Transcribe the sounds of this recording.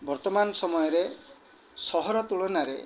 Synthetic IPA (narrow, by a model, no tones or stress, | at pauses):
bɔɾt̪ɔmanɔsɔmɔjɔɾe | sɔɦɔɾɔt̪uɭɔnaɾḛ